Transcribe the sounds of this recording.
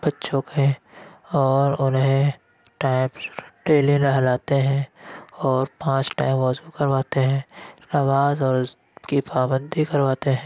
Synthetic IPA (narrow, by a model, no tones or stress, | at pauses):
b̥ɐtːʃõkʰe | ɔːɾʊnɦẽ | ʈaːɪmɖeːliɾəɦlaːt̪eɦɛ̃ɔːɾpãːt͡ʃʈa̰ːɪmʋɔːzukɐɾʋaːt̪eɦɛ̃ːaʋaːzɔːɾ | kipɾaːbə̃nd̪ʱikɐɾʋaːt̪eɦɛ̃